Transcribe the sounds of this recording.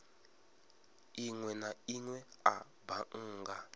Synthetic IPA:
iŋwɛnaiŋwɛa | baʔ̩ːŋɡa

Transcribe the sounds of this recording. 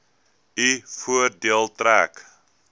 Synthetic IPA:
ifuərdiəlˠtɾæːk

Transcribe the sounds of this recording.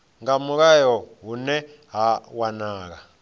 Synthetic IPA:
ŋamukajɔɦunɛ | ɦawanaːk̬a

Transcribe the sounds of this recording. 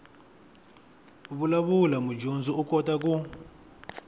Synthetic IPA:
βulaβulamud͡ʒond͡zɔukɔtak̬u

